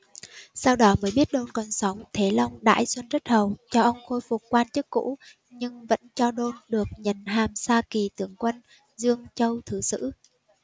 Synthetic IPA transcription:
saː˧wɗɔ˨˦məː˨˦jɓi˦˥ət̚ɗo˧nkɔ˨˩nsa˨˦wŋ͡mt̪ʰe˨˦la˧wŋ͡mɗa̰ː˧˥jswə˧nzə˦˥t̚hə˨˩wt͡ɕɔ˧ʔə˧wŋ͡mxo˧jfʊ˨˩k͡p̚kwaː˧nt͡ɕɨ˦˥kːṵ˧˥ | ɲɨ˧ŋvə̰˧˥nt͡ɕɔ˧ɗo˧nɗɨ˨˩ək̚ɲə˨˩nɦaː˨˩msaː˧ki˨˩t̪ɨ˨˦əŋkwə˧n | zɨ˧əŋt͡ɕə˧wt̪ʰɨ˨˩˦sɨ̰˧˥

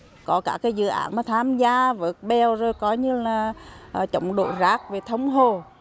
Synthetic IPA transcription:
kɔ˨˦kaː˧˩kaː˨˦jzɨ̰˧˨ʔa̰ː˨˦nmaː˨˩t̪ʰaː˧mzaː˧və˨˦ət̚ɓɛ˨˩wzo˨˩jkɔ˨˦ɲɨ˧laː˨˩ʔt͡ɕə̰˨˧˦wŋ͡mɗo̰˧˨zaː˦˥k̚ve˨˩t̪ʰə˨˦wŋ͡mɦo˨˩

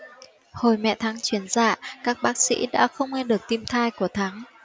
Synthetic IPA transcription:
ho˨˩jmɛ̰˧˨t̪ʰaː˨˦ŋt͡ɕwi˨˩˦ənza̰ː˧˩kaː˦˥k̚ɓaː˦˥k̚sḭ˧˥ɗa̰ː˧˥xə˧wŋ͡mŋe˧ɗɨ˨˩ək̚t̪i˧mt̪ʰaː˧jku˧˩ət̪ʰaː˨˦ŋ

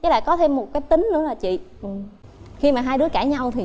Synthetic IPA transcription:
a˨˦la̰ː˧˨jkɔ˨˦t̪ʰe˧mːo˨˩t̚kaː˨˦jt̪ï˨˦ŋ̟nɨ̰˧˥əlaː˨˩t͡ɕḭ˧˨ | ʔxi˧maː˨˩ɦaː˧jɗɨ˨˦əkaː˧˩ɲa˧wt̪ʰi˨˩

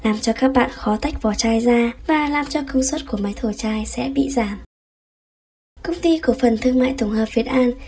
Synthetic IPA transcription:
laː˨˩mt͡ɕɔ˧kaː˦˥k̚ɓa̰ː˧˨nxɔ˨˦t̪ʰa˦˥jk̚vɔ˨˩t͡ɕaː˧jzaː˧vaː˨˩laː˨˩mt͡ɕɔ˧kə˧wŋ͡mswə˦˥t̚ku˧˩əma˨˦jt̪ʰo˧˩jt͡ɕaː˧jsɛ̰˧˥ɓḭ˧˨zaː˧˩m | kə˧wŋ͡mt̪i˧ku˧˩əfə˨˩nt̪ʰɨ˧ŋma̰ː˧˨jt̪ʊ˧˩ŋ͡mŋhəː˨˩p̚vi˨˩ət̚ʔaː˧n

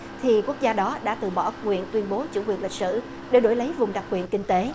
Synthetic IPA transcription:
t̪ʰi˨˩ku˦˥ək̚zaː˧ɗɔ˨˦ɗa̰ː˧˥t̪ɨ˨˩ɓɔ˧˩kwḭ˧˨ənt̪wi˧ənɓo˨˦t͡ɕṵ˧˩kwḭ˨˩ənli˨˩k̚sɨ̰˧˩ | ɗe˧˩ɗo̰˧˩jlə˨˦jvʊ˨˩ŋ͡mɗa˨˩k͡p̚kːwḭ˧˨ənkï˧ŋ̟t̪e˨˦

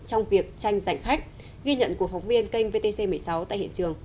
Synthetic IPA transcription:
t͡ɕɔ˧wŋ͡mvi˨˩ək̚t͡ɕa˧jŋ̟za˨˧˩jŋ̟xa˦˥k̟̚ | ɣi˧ɲə̰˧˨nku˨˩əfɔ˨˦wŋ͡mvi˧ənkə˧jŋ̟ve˧t̪e˧se˧mɨ˨˩əjsa˨˦wt̪a̰ː˧˨hḭ˧˨ənt͡ɕɨ˨˩əŋ

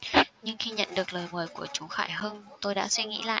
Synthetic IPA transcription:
ɲɨ˧ŋxi˧ɲə̰˧˨nɗɨ˨˩ək̚ləː˨˩jməː˨˩jku˧˩ət͡ɕu˨˦xaː˧˩jɦəː˧nt̪o˧jɗa̰ː˧˥swi˧ŋḭ˧˥la̰ː˧˨ʔ

